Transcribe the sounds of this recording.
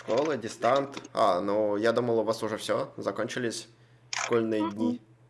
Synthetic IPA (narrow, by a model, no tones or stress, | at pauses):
ʂkolˠɨdʲɪst̪ant̪a̰nojad̪uməlˠʊvasʊʐɛfsʲozɐkonʲt͡ɕɪlʲɪsʲ | ʂkolʲnɨjədʲnʲi